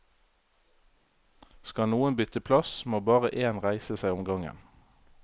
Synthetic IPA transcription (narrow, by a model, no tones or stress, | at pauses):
skɑnuːənbʏt̪əpʰlɑsmoːbɑːʁəʔeːnʁæɪsəsæɪʊmɡɑŋə̰n